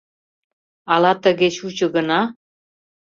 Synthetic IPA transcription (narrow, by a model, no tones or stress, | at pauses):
ɑlɑt̪ə̆ɣet͡ɕut͡ɕɤ̆ɣə̆nɑ